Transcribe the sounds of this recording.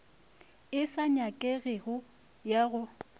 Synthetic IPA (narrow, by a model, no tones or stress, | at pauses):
ɪsaɲakʼeɣɪɣʊ | jaɣʊ